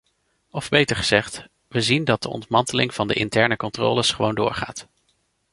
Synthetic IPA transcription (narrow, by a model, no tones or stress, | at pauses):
ɔvbejtəɹχəz̥ɛχt | ʋəzindɑt̚dəʔɔ̰ntmɑntəlɪŋv̥ɑndəʔɪntɛɹnəkɔntro̰ːləsχəʋowndʊ̰ːɹχa̰ːt